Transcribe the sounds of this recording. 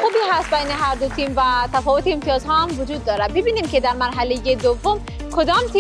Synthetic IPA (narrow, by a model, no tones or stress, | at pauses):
xubiɦæst̪̚bæjneɦæɾd̪ot̪ʰimvæt̪ʰæfɔːvot̪iːmt̪ʰijɒːzɦɒːhæmvod͡ʒuːd̪ːɒːɾæbebiːnimkʰed̪æɾmæɾɦælejed̪ovːom | kʰod̪ɒːmt̪ʰi